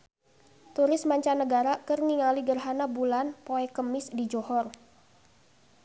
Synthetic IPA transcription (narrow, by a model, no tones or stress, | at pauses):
t̪uɾɪsmaɲt͡ʃanəɡaɾakərniŋaliɡərɦanabulanpoɛkəmɪsdid͡ʒɔhɔr